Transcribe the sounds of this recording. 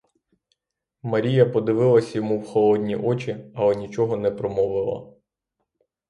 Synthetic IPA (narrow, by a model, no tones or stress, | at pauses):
mɐɾʲijɐpɔd̪ɪʋɪlˠɐsʲɐjɔmuwxɔlˠɔd̪ʲnʲiʔɔt͡ʃʲiɐlˠɛnʲit͡ʃɔɦɔnɛpɾɔmɔʋɪlˠɐ̰